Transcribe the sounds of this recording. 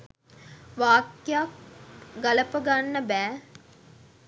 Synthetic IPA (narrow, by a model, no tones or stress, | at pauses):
ʋaːkjak̚ɡɐləpəɡanːəbæː